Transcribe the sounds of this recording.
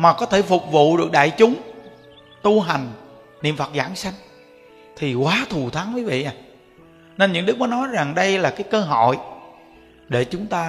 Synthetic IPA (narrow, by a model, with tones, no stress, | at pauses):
maː˨˩kɔ˨˦t̪ʰe˧˩fʊ˨˩k͡p̚vṵ˧˨ɗɨ˨˩ək̚ɗa̰ː˧˨jt͡ɕʊ˨˦ŋ͡m | t̪u˧ɦa˨˩jŋ̟ | nḭ˧˨əmfə˨˩t̚zaː˧˩ŋsa˧jŋ̟ | t̪ʰi˨˩kwaː˨˦t̪ʰu˨˩t̪ʰa˨˦ŋvəː˨˦jvḭ˧˨ʔaː˨˩ | ne˧nɲɨ̰˧˥ŋɗɨ˦˥k̚nɔ˨˦nɔ˨˦jza˨˩ŋɗə˧jlaː˨˩kaː˨˦jkəː˧ɦɔ̰˧˨j | ɗe˧˩t͡ɕʊ˨˦ŋ͡mt̪aː˧